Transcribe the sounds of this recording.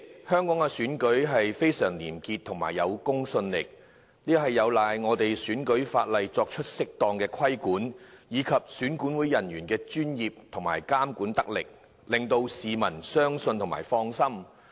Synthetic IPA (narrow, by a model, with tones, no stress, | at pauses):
hœː˥ŋkɔː˨˥ŋɛ˧syː˨˥nkɵ˨˥ɥɦɐ˨jfe˥jsœː˨˩ŋlḭː˨˩mkiː˧t̪ʰʊ˨˩ŋma̰ː˨˩jːɐ˨˧wkʊ˥ŋsɵ˧nlɪ˨k̚ | liː˥kɔ˧ɦɐ˨jːɐ˨˧wlaː˨jŋɔː˨˧t̪e˨jsyː˨˥nkɵ˨˥ɥfa̰ː˧t̚lɐ˨jt͡sɔː˧k̚t͡ʃʰɵ˥t̚sɪ˥k̚t̪ɔː˨˧ŋkɛː˧kʰwɐ˥jkuː˨˥njiː˨˧kʰɐ˨p̚syː˨˥nkuː˨˥nwuː˨˥jɐ˨˩njyː˨˩nkɛː˧t͡ʃyː˥njiː˨p̚t̪ʰʊ˨˩ŋma̰ː˨˩jkaː˥mkuː˨˥nt̪ɐ˥k̚lɪ̰˨k̚ | lɪ˨ŋt̪o˧wsiː˨mɐ˨˩nsœː˥ŋsɵ˧nt̪ʰʊ˨˩ŋma̰ː˨˩jfɔː˧ŋsɐ˥m